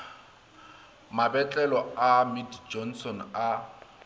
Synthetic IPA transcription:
mabɛt͡ɬʼɛlɔamidd͡ʒɔnsɔna

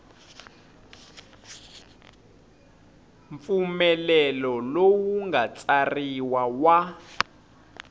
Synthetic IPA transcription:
ɱp̪fumɛlɛlɔlowuŋɡat͡sariwawa

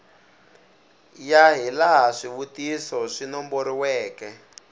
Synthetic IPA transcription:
jaɦilaɦaʂiβutisɔʂinɔmboɾiwɛːkɛ

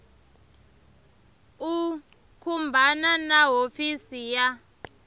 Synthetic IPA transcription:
u | kʰumbʱananaɦofisija

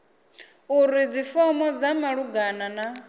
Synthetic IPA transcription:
uɾid͡zifɔmɔd͡zamaɺuɡanana

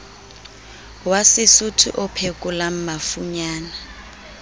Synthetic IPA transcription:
wasɪsutʰṵʔʊpʰekʼʊlam̩mafuɲaːna

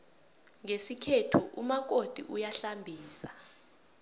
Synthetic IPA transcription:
ŋesikʰetʰuʔumak̬od̥ʱḭʔujaɬambʱiːsḁ

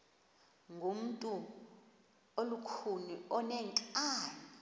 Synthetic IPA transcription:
ŋɡʱum̩tʼu | olukʰuniɔnɛŋǀʼaːni

